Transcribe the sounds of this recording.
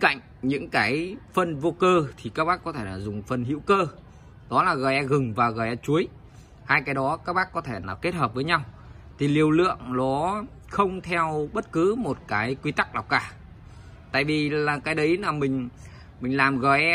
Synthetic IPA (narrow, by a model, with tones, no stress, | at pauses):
nka̰˧˨jŋ̟ɲɨ̰˧˥ŋkaː˨˦jfə˧nvo˧kəː˧t̪ʰi˨˩kaː˦˥k̚ɓaː˦˥k̚ːɔ˨˦t̪ʰe˧˩laː˨˩zʊ˨˩ŋ͡mfə˧˩nɦḭ˧˥wkəː˧ | ɗɔ˨˦laː˨˩ɣəː˨˩jʔɛ˧ɣɨ˨˩ŋvaː˨˩ɣəː˨˩jʔɛ˧t͡ɕu˨˦əj | haː˧jkaː˨˦jɗɔ˨˦kaː˦˥k̚ɓaː˦˥kːɔ˨˦t̪ʰe˧˩naː˨˩ke˦˥t̚həː˨˩p̚vəː˨˦jɲa˧w | t̪ʰi˨˩li˨˩əwlɨ̰˧˨əŋlɔ˨˦ | xə˧wŋ͡mt̪ʰɛ˧wɓə˦˥t̚kɨ˨˦mo˨˩t̚kaː˨˦jkwi˧t̪a˦˥k̚ɗa˨˩wkaː˧˩ | t̪a̰ː˧˨jvi˨˩laː˨˩kaː˨˦jɗə˨˦jlaː˨˩mï˨˩ŋ̟ | mï˨˩ŋ̟laː˨˩mɣəː˨˩jʔɛ˧